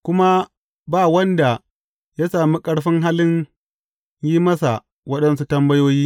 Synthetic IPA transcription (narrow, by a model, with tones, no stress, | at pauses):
kʷʊ˦ma˦ | baː˦˨wɐ˦nda˨ | ja˦saː˨mi˦kʼɐ˦ɽɸɪ˦ŋɦa˦lɪ˦ɲ | jiː˦mɐ˦sa˨ | wɐ˦ɗɐ˦nsu˦tɐ˦mbɐ˦joː˦jiː˦